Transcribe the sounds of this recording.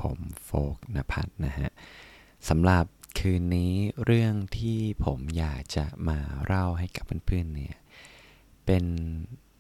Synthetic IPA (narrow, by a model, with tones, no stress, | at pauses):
pʰo̰˨˩˦mfoː˦˥k̚na˦˧˥pʰa̰˦˥t̪̚na˦˥kʰa̰˦˥ʔ | sa˩˦mɾa˨˩p̚kʰɯː˧nːiː˦˥ɾɯ˥˩əŋt̪ʰiː˥˩pʰo˩˦mjaː˨˩k̚t͡ɕa˨˩maː˧ɾʔa˥˩wɦa˥˩jka˨˩pʰːɯː˥˩npʰɯː˥˩ənːi˥˩ɐ | pe˧n